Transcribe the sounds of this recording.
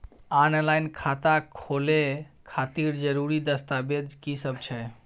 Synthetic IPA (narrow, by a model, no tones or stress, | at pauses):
anlaɪnkʰat̪akʰolekʰat̪iɾd͡ʒəɾuɾid̪əst̪abed̪kisəbt͡ʃʰɛ